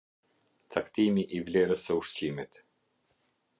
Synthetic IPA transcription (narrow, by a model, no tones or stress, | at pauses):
t͡sakt̪imiʔivlɛɾəsːəuʃcimɛt̪